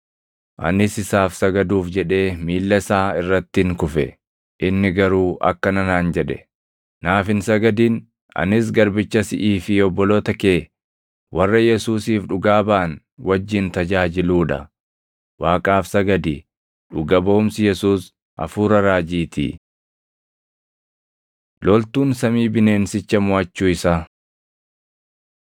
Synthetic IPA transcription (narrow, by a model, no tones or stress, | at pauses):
ʔɐ̰nɪsɪsaːfsɐɡɐd̪uːfd͡ʒɛᶑe̞ːmiːlːɐsaːɪrːɐt̪ːɪɪŋkʊfɛ̰ | ʔɪnːɪɡɐɾuːʔɐ̰kːɐnɐnaːnd͡ʒɛᶑɛ̥ | naːfɪnsɐɡɐd̪iːn | ɐ̰nɪs̬ɡɐɾbɪt͡ʃːɐsɪʔiːfɪɔbːɔloːt̪ɐke̞ː | wʔɐrːɐjɛsuːsiːfᶑʊɡaːbaːn | wɐd͡ʒːɪnt̪ɐd͡ʒaːd͡ʒɪluːᶑɐ̰ | waːkʼaːfsɐɡɐd̪i | ᶑʊɡɐbɐʊmsɪjɛsuːs | ʔɐ̰fuːɾɐɾaːd͡ʒiːt̪ʰḭː | lɔlt̪uːnsɐmiːbɪne̞ːnsɪt͡ʃːɐmʊɐt͡ʃːuːɪsaː